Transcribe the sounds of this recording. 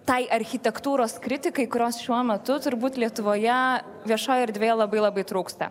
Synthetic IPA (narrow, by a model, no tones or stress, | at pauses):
t̪ɐɪʔɐɾʲxʲɪt̪ʲɛkt̪uːɾoːskɾʲɪt̪ʲɪkɐɪkʊɾʲoːsʃʲuɔmʲɛt̪ʊt̪ʊɾbuːt̪lʲiɛt̪ʊʋoːjɛ | ʋʲiɛʃoːjɐɾd̪ʲʋʲeːjɛlˠɐbɐɪlˠɐbɐɪt̪ɾuːkst̪ɐ̰